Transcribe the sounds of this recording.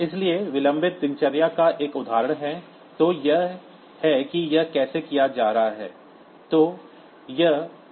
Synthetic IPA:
ɪslieʋɪlə̃mbʱɪt̪̚d̪ɪ̃nt͡ʃəɾjakaʔeːkʊd̪ʱaːɾəɽ̃ɦɛ | t̪oːjɐɦ | hɛkijɐɦkɛːsekijad͡ʒaːɾaɦaɦɛ̰ː | t̪oː | jɐɦ

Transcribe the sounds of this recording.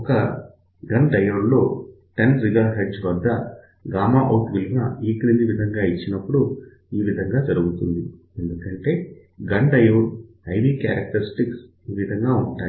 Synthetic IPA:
ɔkɐ | ɡɐɳɖɐjɐɽlo̞ː | ʈɐnziɡaːɦeɖd͡ʒʋɐd̪ːɐ | ɡaːmaːʔoʈʋilinɐiːkɐniɲd͡ʒ̪iʋid̪ʱɐŋɡaːit͡ʃːinɐpːuɽu | iːʋid̪ʱɐŋɡaːd͡ʒɐɾuɡut̪und̪i | e̞nd̪ukɐɳʈe̞ː | ɡɐɳɖɐjɐwɽhɐjʋiːkja̰ːɾɐk̚ʈɐɾisʈiks | iːʋid̪ʱɐŋɡaːuɳʈaːi

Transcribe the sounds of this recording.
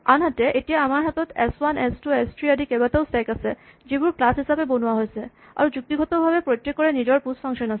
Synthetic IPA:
anɦat̪eʔeʈijaamaɾɦat̪ɔt̪ḛswanɛsʈuesʈɾiaɖikebat̪awsʈɛkased͡ʑibuɾklasɦisabebonuaɦojsʰe | a̰ɾud͡ʑuk̚t̪iɡʱɔt̪ɔbʱabepɾotːekːɔɾenid͡ʑɔɾpusfʰaŋʃɔnasʰe

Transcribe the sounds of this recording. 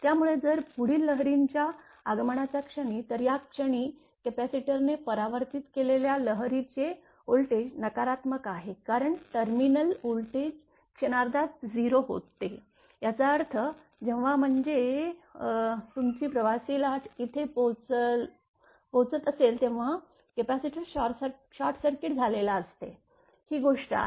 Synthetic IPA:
t̪jamuɭed͡zəɾpuɽ̤iːlːəɦɾiɲt͡ɕjaː | ɡməɳ̃at͡ɕakʂəɽ̃iːt̪əɾjakʂəɽ̃i | kepæsiʈəɾnepəɾaʋəɾt̪it̪keleljaləɦɾit͡se | olʈed͡ʑnəkaɾat̪məkaɦekaɾəɳʈəɾminəlolʈed͡ʑ | kʂəñaɾd̪at̪̚d͡ziɾoɦo̰t̪ːe | jat͡saəɾt̪ʰə | d͡ʑeʋʋam̤əɳd͡ze | t̪umt͡ɕiːpɾəʋasiːlaʈʰit̪ʰepot͡səl | pot͡sət̪əselt̪ẽʋ̤a | kepasiʈəɾɕasə | ɕaɾʈsəɾkeʈd͡zʱalelaəst̪e | hiːɡoʂʈa̰

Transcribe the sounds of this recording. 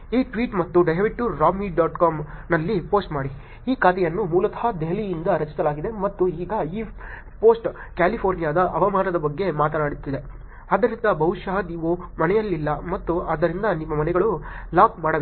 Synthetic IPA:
iːʈʋiːʈmɐt̪ːuɖɐɦɐʋiʈːuɾaːmiɖaːʈkaːmnɐlːipo̞ːsʈmaːɽi | iːkaːt̪ɛjɐnːumuːlɐt̪ɐ̥ɦɐd̪eɦlijind̪ɐɾɐt͡ʃi̥sɐlaːɡid̪e̞mɐt̪ːuiːɡɐiː | po̞ːsʈkaːlipʰoːɾnijaːd̪ɐʔɐʋɐmaːnɐd̪ɐbɐɡːe̞maːt̪ɐnaːɽit̪ːid̪e̞ | aːd̪ɐɾind̪ɐbɐʋʃaːɐd̪iːʋomɐnɛjɐlːilːɐmɐt̪ːuɐːd̪ːɐɾind̪ɐnimːɐmɐnɛɡɐɭulaːk̚maːɽɐ

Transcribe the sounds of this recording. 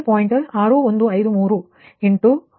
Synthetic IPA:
poːjɪɳʈɐaːɾoːɔnd̪ɯɐɪðɯmuːru | ɪɳʈu

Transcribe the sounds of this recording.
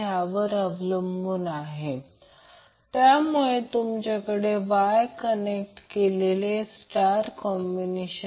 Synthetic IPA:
aʋəɾəʋləmbuːnaɦe | t̪jamuɭet̪umt͡ɕakəɽeʋajkənek̚ʈkelelesʈaɾkɔmbineɕə

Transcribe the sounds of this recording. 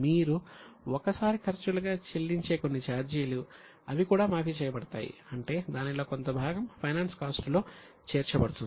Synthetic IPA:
miːɾuɔkɐsaːɾikʰɐɾt͡ʃuluɡaːt͡ʃelːiɲt͡ʃe̞ːkonːit͡ʃaːɾd͡ʒiːlu | ɐʋikuːɽaːmaːpit͡ʃɛːjɐbɐɽɐt̪aːjḭɐɳʈe̞ːd̪aːnilo̞ːko̞nt̪ɐbʱaːɡɐmpʰɐjnaːnskaːsʈulo̞ː | t͡ʃeːɾt͡ʃɐbɐɽut̪und̪

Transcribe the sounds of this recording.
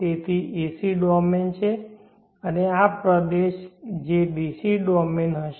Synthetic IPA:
t̪et̪ʰiʔisiɖɔment͡ʃʰe | əneapɾəd̪eʃd͡ʒebisiɖɔmenɦəʃ

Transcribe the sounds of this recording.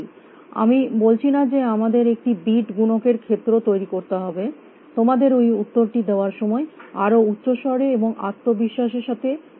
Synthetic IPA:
a̰mibolt͡ɕʰinad͡ʑeamad̪eɾek̚ʈibiʈɡunokeɾkʰet̪ːɾot̪ojɾikoɾt̪eɦɔbe | t̪omad̪eɾojut̪ːoɾʈid̪eoaɾʃɔmɔeaɾoutːɕoʃɔɾeeboŋa̰t̪ːobiʃːaʃeɾʃat̪ʰe

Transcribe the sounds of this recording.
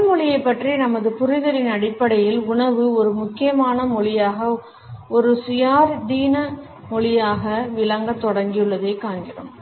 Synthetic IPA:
mɔɭɪjɐɪpːɐʈrinɐmɐðɯpʊɾɪðɐɾɪnɐɽɪpːɐɽɐjɪlʊɳɐʋɯɔɾɯmʊkːɪjɐmaːnɐmɔɭɪjaːɣɐ | ɔɾɯsɪjaːɾd̪iːnɐ | mɔɭɪjaːɣɐʋɪlɐŋɡɐt̪ːɔɽɐŋɡɪjɯɭːɐðeːkaːnɡɪrɯ̰m

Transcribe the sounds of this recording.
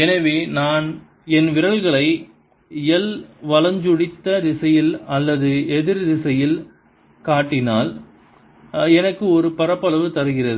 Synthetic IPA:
ɛnɐʋeːnaːn | ɛnʋɪɾɐɭɣɐɭɐɪ | ɪjɛlʋɐlɐɲd͡ʒʊɽɪt̪ːɐðɪsɐjɪlɐlːɐðɯɛðɪɾðɪsɐjɪl | kaːʈːɪnaːl | ɛnɐkːɯɔɾɯpɐɾɐpːɐɭɐʋɯt̪ɐɾɯɣɪrɐðɯ

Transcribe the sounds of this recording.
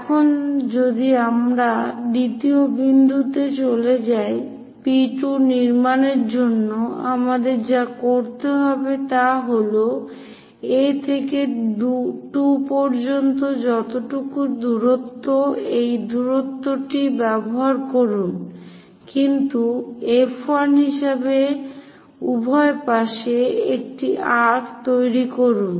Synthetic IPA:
ɛkʰond͡ʑod̪iamɾad̪it̪iobind̪ut̪et͡ɕoled͡ʑae | piʈuniɾmaneɾd͡ʑonːoa̰mad̪eɾd͡ʑakoɾt̪eɦɔbet̪aɦolo | et̪ʰeked̪uʈupɔɾd͡ʑont̪od͡ʑɔt̪oʈukud̪uɾot̪ːoejd̪uɾot̪ːoʈibɛboɦaɾkoɾun | kint̪uefʰoanɦiʃabe | ubʱɔepaʃeek̚ʈiʔaʈt̪ojɾikoɾun

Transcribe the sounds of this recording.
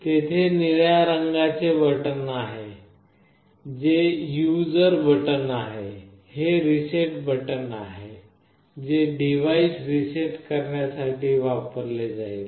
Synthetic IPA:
t̪et̪ʰeniɭjaɾəŋɡat͡seʋəʈənaɦe | d͡zejud͡zəɾbʱəʈənaɦe | heɾiseʈbəʈənaɦe | d͡zeɖiʋaisɾiseʈkəɾɳjasaʈʰiːʋapəɾled͡zail

